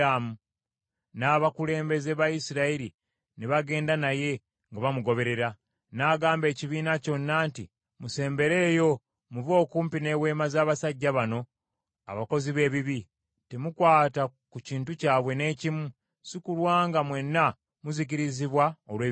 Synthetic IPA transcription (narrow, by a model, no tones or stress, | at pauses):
amu | naːβakule̞ːmbe̞ze̞βajisiɾaiɾi | neβaɡe̞ːndanaje̞ | ŋɡaβamuɡo̞βe̞ɾe̞ɾa | naɡaːmbe̞ːciβiːnaco̞nːaːnti | muse̞ːmbe̞ɾe̞ːjo̞ | muvo̞ːkuːmpine̞we̞ːmazaːβasaɟːaβano̞ | a̰βako̞ziβe̞ːβiβi | te̞mukwaːtakuciːntucaːβwe̞ne̞ːcimu | sikulwaːŋɡamwe̞nːa | muzic̬iɾiziβwaolweː